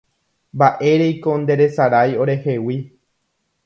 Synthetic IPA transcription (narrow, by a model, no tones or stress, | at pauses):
mbaʔe̞ɾe̞jko̞nd̪e̞ɾe̞saɾajo̞ɾe̞he̞wi